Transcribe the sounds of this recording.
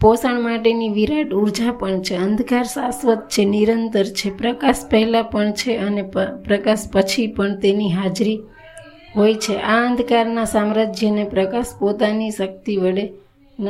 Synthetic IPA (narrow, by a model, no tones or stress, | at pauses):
posaɳmaʈeniʋiɾaʈuɾd͡ʒapəɳt͡ʃʰeənd̪ʱkaɾsasʋət̪̚t͡ʃʰeniɾənt̪əɾt͡ʃʰepɾəkaʃpəɦɛlapəɳt͡ʃʰeənepɾəkaʃpət͡ʃʰipəɳt̪eniɦad͡ʒɾi | ɦojt͡ʃʰeʔaə̃nd̪ʱkaɾnasamɾad͡ʒʱjənepɾəkaʃpot̪aniʃək̚t̪iʋəɭe | n